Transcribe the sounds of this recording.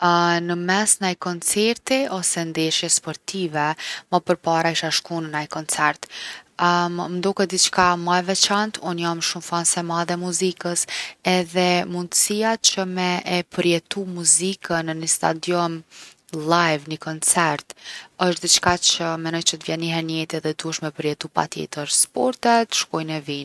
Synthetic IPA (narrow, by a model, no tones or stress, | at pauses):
nəmɛsnajkɔnt͡sɛɾt̪iɔsɛnd̪ɛʃjɛspɔɾt̪ivɛməpəɾpaɾaiʃaʃkunənajkɔnt͡sɛɾt̪ | mnd̪ɔkɛd̪it͡ʃkamajvɛt͡ʃant̪ʰunjamʃumfansɛmaðɛmuzikəsɛðɛmund̪əsijat͡ʃəmɛʔɛpəɾjɛt̪umuzikənənəst̪a̰d̪jɔn | lajvnəkɔnt͡sɛɾt̪əʃt̪d̪it͡ʃkat͡ʃəmɛnɔjt͡ʃət̪vjɛniɦɛnjɛt̪ɛðɛd̪uəʃmɛpəɾjɛt̪upa̰t̪jɛ̰t̪əɾspɔɾt̪ɛt̪ʃkɔjnɛvin